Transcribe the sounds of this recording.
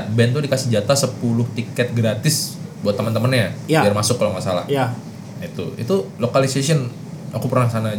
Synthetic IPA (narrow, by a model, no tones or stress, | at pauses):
bɛnt̪̬udikasəd͡ʒat̪asəpulʊht̪ikɛt̪̚ɡɾat̪ɪsbuat̪ːəmənt̪əmənadiarmasʊkːalaŋmasa̰la̰hja | it̪ṵḭt̪ulokalisesiɔn | akupərnaŋsana